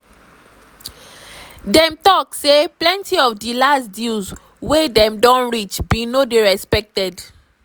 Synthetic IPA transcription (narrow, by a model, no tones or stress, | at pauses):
dɛ̃mtɔkseplɛ̃ntʰiɔfdilasdilz | wedɛ̃mdɔ̃nɹit͡ʃbinodeɹɛspɛk̚tɛd